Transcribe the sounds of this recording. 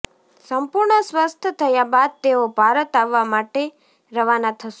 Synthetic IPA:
səmpuɾɳəswəst̪ʰət̪ʰəjabad̪̚t̪eobʱaɾət̪aʋːamaʈe | ɾəʋanat̪ʰəʃ

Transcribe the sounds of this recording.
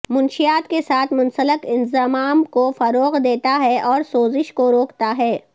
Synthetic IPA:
mʊnʃijaːt̪kesaːt̪ʰmʊ̃nsəlɪkɪnzəmaːmkofɐɾoːɣd̪eːt̪aɦɛʔɔːɾsoːzɪʃkoɾoːkt̪aɦɛː

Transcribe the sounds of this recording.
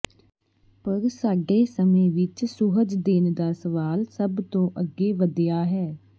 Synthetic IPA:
pəɾsaːɡeːsəmẽːʋɪt͡ʃsʊɦəd͡ʒd̪eːnd̪aːsəʋaːlsəbt̪õːʔəɡːeːʋəd̪jaːɦɛː

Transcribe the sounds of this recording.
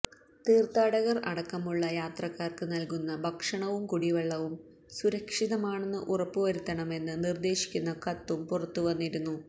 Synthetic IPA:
t̪iːrt̪aːɽɐɣɐrɐɽɐkːɐmuɭːɐjaːt̪rɐkːaːrkɨnɐlkunːɐbʱɐkʂɐɳɐʋumkuɽiʋɐɭːɐʋum | suɾɐkʂiðɐmaːɳenːɨʔurɐpːɨʋɐɾut̪ːɐɳɐme̞nːɨnird̪e̞ːɕi̥kʲːunːɐkɐt̪ːumpurɐt̪ːuʋɐnːiɾunːu

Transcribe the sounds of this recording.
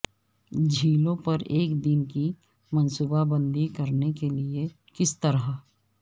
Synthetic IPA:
d͡ʒʱiːlõpɐɾeːkd̪ɪnki | mɐ̃nsuːbabə̃nd̪ikɐɾnekelie | kɪst̪əɾa

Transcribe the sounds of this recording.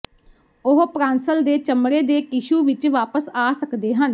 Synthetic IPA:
ʊɦpɾaːnsəld̪eːt͡ʃəmɽeːd̪eːkɪʃuːʋɪt͡ʃʋaːpəsaːsəkd̪eːɦən

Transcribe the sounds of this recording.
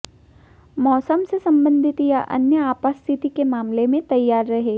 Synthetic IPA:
mɔːsəmsesɐ̃mbə̃nd̪ʱɪt̪jaʔɐ̰njəaːpast̪ʰɪt̪ikemaːmlemẽt̪ɐjːaːɾːɐɦeː

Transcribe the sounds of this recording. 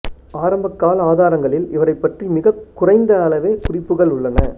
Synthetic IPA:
aːɾɐmbɐkːaːlɐaːðaːɾɐŋɡɐɭɪlɪʋɐɾɐɪpːɐʈrimɪɣɐkːʊrɐɪnd̪ɐːɭɐʋeːkʊrɪpːɯɣɐɭʊɭːɐnɐ

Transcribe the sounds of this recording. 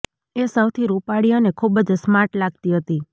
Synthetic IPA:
esəwt̪ʰiɾupaɽijonekʰubəd͡ʒsmaʈlaɡt̪iɦət̪i

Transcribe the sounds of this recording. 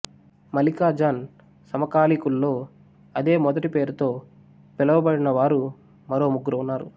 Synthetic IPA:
mɐlikaːd͡ʒaːn | sɐmɐkaːlikulːo̞ː | ɐd̪e̞ːmɔd̪ɐʈipe̞ːɾut̪o̞ː | pɛlɐʋɐbɐɽinɐʋaːɾu | mɐɾo̞ːmuɡuɾɐwunːaːɾu

